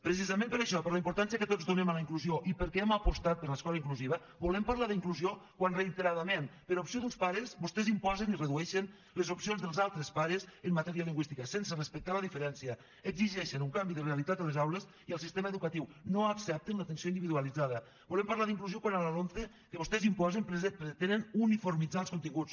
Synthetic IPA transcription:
pɾəs̬izəmẽmpəɾaʃɔpəɾləimpuɾt̪ansiəkət̪od͡zðunemaləiŋkluzioʔipəɾkɛeməpust̪at̪̚pəɾləskɔləiŋkluziβ̞ə | bulɛmpaɾlaðəiŋkluziokwanrəit̪əɾaðəmenpəɾaupsioðunspaɾəzbust̪ɛzimpɔzənirəðuɛʃən | ləzupsionzðəlˠzalˠt̪ɾəspaɾəzəmmat̪ɛɾiəliŋɡwist̪ikəsensərəspək̚t̪aləðifəɾɛnsiə | əɡziʒɛʃənuŋkambiðərealit̪at̪əlezawləz | iəlˠsist̪eməeðukət̪iwnoəksɛp̚t̪ənlət̪ənsioind̪iβiðuəlid͡zaðə | bulɛmpaɾlaðiŋkluziokwanalalonθe | kəβust̪ɛzimpɔzempɾeepɾet̪enənunifuɾmid͡zalˠskunt̪iŋɡut͡s

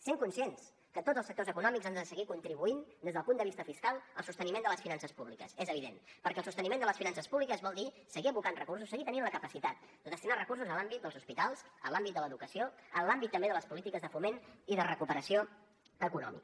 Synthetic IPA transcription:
seŋkunsens | kət̪odd͡zəlˠsək̚t̪ozəkunɔmikzand̪əðəsəɣikunt̪ɾiβuind̪ezðəlˠpund̪əβist̪əfiskalˠəlˠsust̪ənimend̪ələsfinansəspuβlikəsɛzəβiðenpəɾkɛlˠsust̪ənimend̪ələsfinansəspuβlikəzβɔlˠd̪i | səɣiəβukanrəkursusːəɣit̪əninləkəpəsit̪at̪̚d̪əðəst̪inarəkursuzəlambit̪̚d̪əlˠzuspit̪alˠzə̰lambit̪d̪ələðukəsioənlambit̪ːəmbeðələspulit̪ikəzðəfumeniðərəkupəɾəsio | əkunɔ̰mḭk

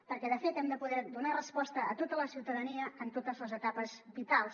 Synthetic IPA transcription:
pəɾkɛðəfet̪ɛmd̪əpuðɛɾd̪unarəspɔst̪əət̪ot̪ələsiwt̪əðəniəənt̪ot̪əzləzət̪apəzbit̪alˠs

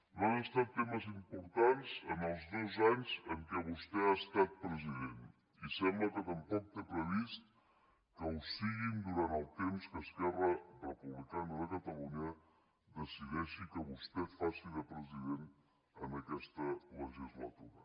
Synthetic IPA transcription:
nanəst̪at̪ːeməzimpuɾt̪anzənəlˠzdozaɲzəŋkɛβust̪ɛast̪at̪̚pɾəziðen | isɛmbləkət̪əmpɔk̚t̪epɾəβist̪̚ | kəwsiɣind̪uɾant̪əlˠt̪emskəskɛrərrəpuβlikanəðəkət̪əluɲə | d̪əsiðɛʃikəβust̪ɛfasiðəpɾəziðen | ənəkɛst̪ələʒizlə̰t̪uɾə

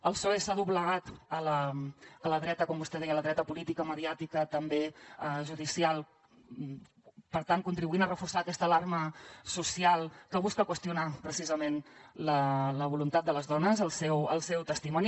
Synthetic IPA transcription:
əlˠsoesaðuβləɣat̪ələələðɾɛt̪əkɔmbust̪ɛðɛjələðɾɛt̪əpulit̪ikəməðiat̪ikət̪əmbeəʒuðisialˠ | pəɾt̪ankunt̪ɾiβuinərəfursaəkɛst̪əlarməsusialˠkəβuskəkwəst̪iunapɾəsizəmenlələβ̞ulunt̪at̪̚d̪ələzðɔnəzəlˠsɛwə̰lˠsɛwt̪əst̪imɔni

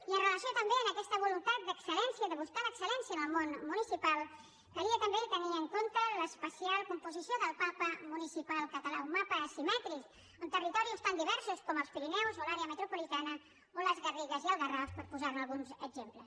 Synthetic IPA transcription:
iənrələsiot̪əmbeənəkɛst̪əβulunt̪at̪̚d̪əksəlɛnsiəðəβuskaləksəlɛnsiənəlˠmonmunisipalˠ | kəɾiət̪əmbet̪əniəŋkont̪ələspəsijalˠkumpuzisioðəlˠpapəmunisipalˠkət̪əlaumapəːsimɛt̪ɾik | ənt̪ərit̪ɔɾiust̪and̪iβɛɾsuskɔməlˠspiɾinɛwzolaɾeəmət̪ɾupulit̪anə | oləzɣəriɣəziəlˠɣərafspəɾpuzaɾnalˠɣunzəɡzempləs

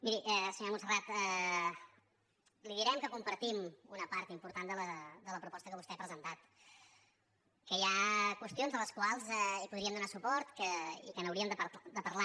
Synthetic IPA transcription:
miɾiʔɛsəɲoɾmunsərat̪ɛ | liðiɾɛmkəkumpəɾt̪imunəpaɾt̪impuɾt̪and̪ələd̪ələpɾupɔst̪əkəβust̪ɛpɾəzənt̪at̪ | kəjakwəst̪ionzðələskwalˠzɛipuðɾiəmd̪unasupɔɾt̪kəḭkənəwɾiəmd̪əpəd̪əpəɾla

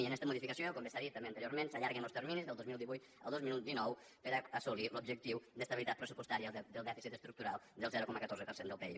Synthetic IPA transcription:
iənɛst̪əmuðifikasjoəlˠkombəsaɾit̪ameɐnt̪əɾjoɾmẽnsaʎaɾɣenolˠst̪eɾminizðəlˠd̪ozmilˠd̪iβujt̪ | ə̰lˠd̪ozminut̪̚d̪inɔw | pəɾaasulilubʒək̚t̪iwd̪əst̪ɐβilit̪at̪pɾəsupwəst̪aɾiəd̪əlˠd̪ɛfisit̪əst̪ɾuk̚t̪uɾalˠd̪əlˠzɛɾukɔməkat̪orzəpəɾsend̪əlˠpɛi

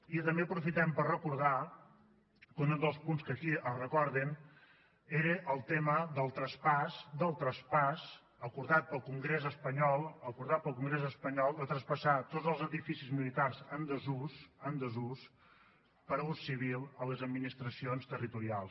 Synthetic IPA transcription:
it̪əmbeəpɾufit̪ɛmpərrəkuɾða | kund̪əlˠspunskəkiʔərəkɔɾðin | eɾəʔəlˠt̪eməðəlˠt̪ɾəspasd̪əlˠt̪ɾəspas | əkuɾðat̪̚pəlˠkuŋɡɾezəspəɲɔlˠəkuɾðat̪̚pəlˠkuŋɡɾezəspəɲɔlˠd̪ət̪ɾəspəsat̪od͡zzəlˠzəðifisizmilit̪arzənd̪əzusənd̪əzus | pəɾəussːiβ̞ilˠələzəd̪minist̪ɾəsionst̪ərit̪uɾialˠs

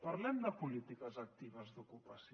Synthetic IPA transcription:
pɐɾlɛmd̪əpulit̪ikəzɐk̚t̪iβəzd̪ukupəs

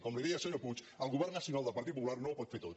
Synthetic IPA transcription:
kɔmliðiasoɲoput͡ʃ | əlˠɣuβɛɾnasjiunalˠd̪əlpɐɾt̪it̪pupulaɾnopɔt̪fet̪ot̪

